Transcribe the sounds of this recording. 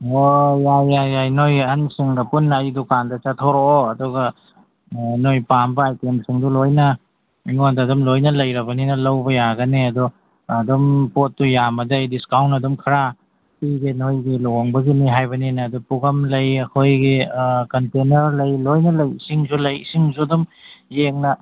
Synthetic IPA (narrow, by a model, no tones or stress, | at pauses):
ojajajajnojɐnsiŋdɐpunːajdukandɐt͡ʃɐtʰoɾooɐduɡɐ | nojpambɐajtemsiŋdulojnɐ | iŋodɐdɔmlojnɐlɐjɾɐbɐninɐlɐwbɐjaɡɐneɐdɔː | dɔmpot̚ːujamɐdɐjdiskawntɐdumkʰɐɾa | piɡinojɡilɔoŋbɐɡiniɦajbɐninɐːdupuɡɐmlɐjɐkʰojɡikɐntenɐɾlɐjlojnɐlɐjisiŋzulɐjḭsiŋzudumjeŋnɐ